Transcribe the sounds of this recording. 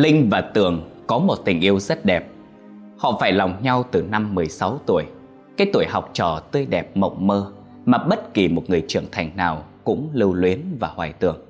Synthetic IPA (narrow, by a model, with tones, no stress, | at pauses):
lï˧ŋ̟vaː˨˩t̪ɨ˨˩əŋkɔ˨˦mo˨˩t̚t̪ï˨˩ŋ̟ʔi˧əwzə˦˥t̚ɗɛ˨˩p̚ | hɔ̰˧˨faː˧˩jlɔ˨˩wŋ͡mɲa˧wt̪ɨ˨˩na˧mːɨ˨˩əjsa˨˦wt̪u˧˩əj | kaː˨˦jt̪u˧˩əjɦa˨˩wk͡p̚t͡ɕɔ˧˩t̪əː˧jɗɛ˨˩p̚mə̰˧˨wŋ͡mməː˧ | maː˨˩ɓə˦˥t̚ki˨˩mo˨˩t̚ŋɨ˨˩əjt͡ɕɨ˧˩əŋt̪ʰa˨˩jŋ̟naː˨˩wkʊ̰˧˥ŋ͡mlɨ˧wlwi˨˦ənvaː˨˩hwaː˨˩jt̪ɨ̰˨˩əŋ